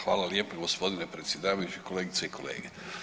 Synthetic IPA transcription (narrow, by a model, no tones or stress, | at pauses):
xʋaːlaljeːpoɡospo̞d̪inepɾe̞t̪sjed̪aːʋajut͡ʃiko̞leːɡit̪seikʰolḛːɡe